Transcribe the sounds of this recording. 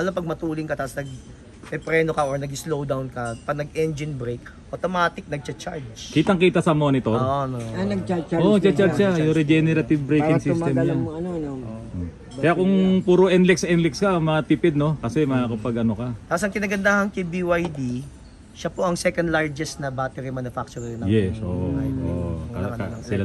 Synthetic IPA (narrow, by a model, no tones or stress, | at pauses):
ʔɐlɐmpɐɡ̚mɐt̪uːlɪŋkɐt̪aːʔɐsnɐɡ̚ | pɛpɾɛːnokɐʔoɹnɐɡɪslowd̪awnkɐpɐɡ̚nɐɡɛnd͡ʒɪnbɾejkʔot̪omaːt̪ɪk̚nɐɡ̚t͡ʃɐt͡ʃaɹd͡ʒkiːt̪ɐŋkiːt̪ɐsɐmo̞nɪt̪oɾʔonoanɐɡt͡ʃaoʔt͡ʃat͡ʃaʃajʊɾɛd͡ʒɛnɛɾɐt̪ɪvbɾejkɪsisɛmɲaɐnonoʔ | ɐjakʊŋpuːɾoʔɛnlɛksʔɛnlɪkskɐmɐt̪ipɪd̪̚no̞kɐsɛmɐkɐpɐɡɐnokɐt̪aːposɐŋkɪnaːɡɐnd̪aːhɐnkɐjbiwajd̪i | ʃɐpo̞ʔɐŋsɛkɐnd̪laɹd͡ʒɛst̪nɐbaːt̪ɛɾimanʊfak̚t͡ʃʊɾnɐjɛsʔo̰ʔo̰ʔkɐɐɐsɪa